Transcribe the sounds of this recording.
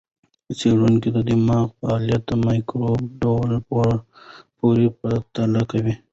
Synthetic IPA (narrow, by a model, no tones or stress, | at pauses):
əseɾunked̪əd̪ɪmɑɣfaːljat̪̚əmɑjkɾobɖolpo | poɾepət̪alakawi